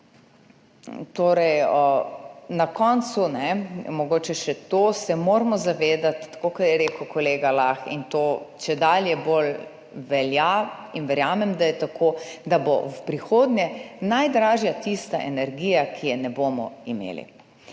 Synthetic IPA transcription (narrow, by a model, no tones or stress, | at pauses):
t̪oːɾɛjənakɔnt̪sunɛmɔɡoːt͡ʃɛʃɛt̪osɛmoːɾmɔzaʋeːd̪at̪ːḁkokaɾjɛɾeːkəwkɔleːɡalaxḭnt̪oːt͡ʃɛd̪aljɛbol | ʋɛljainʋɛɾjaːmɛmd̪ajɛt̪akʰod̪abɔ̰wpɾixoːd̪nʲjɛnajd̪ɾaːʒjat̪ist̪aʔɛ̰nɛɾɡijakʰijɛnɛbomɔ̰imḛːlḭ